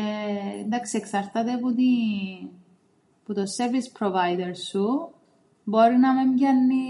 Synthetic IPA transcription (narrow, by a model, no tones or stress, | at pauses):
eḭnd̪ɐksieksɐɾt̪ɐt̪eput̪i | put̪oseɾvispɾovɐjd̪eɾsu | bo̞ɾinɐmemɟɐnːi